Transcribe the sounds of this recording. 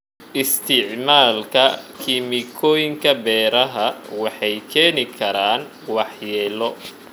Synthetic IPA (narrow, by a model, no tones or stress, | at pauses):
ʔɪst̪ʰɪʕmaːlkʰɐkʰiːmɪkʰɔːjɪŋkʰɐbɛːɾɐɦɐwɑħɑjkʰɛːnɪkʰɐɾaːn | wɑħjɛːlɔ